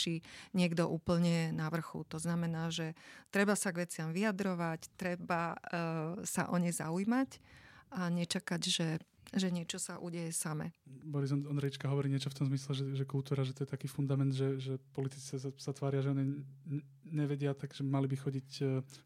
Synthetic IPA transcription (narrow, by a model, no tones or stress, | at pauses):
t͡ʃiɲɪɛɡd̪ɔʔuːpl̩ɲɛnaʋr̩xṵt̪ɔznamɛnaːʒɛt̪ɾɛbasaɡʋɛt͡sɪamʋiad̪ɾɔʋact̪ɾɛba | sa̰ʔɔɲɛjza̰ujmacʔaɲɛt͡ʃakaɟʒɛʒɛɲɪɛt͡ʃɔsaʔṵɟɛjɛsamɛ̰bɔɾizɔnɔnd̪ɾɛjit͡ʃkaɦɔʋɔɾiːɲɪɛt͡ʃɔft̪ɔmzmislɛʒɛʒɛkulˠt̪uːɾaʒɛt̪ɔjɛt̪akiːfund̪amɛnd̪ʒɛʒɛpɔlit̪it͡sɛsasat̪ʋaːɾɪaʒɛɔɲɛ | ɲɛʋɛɟɪat̪aɡʒɛmalibixɔɟicː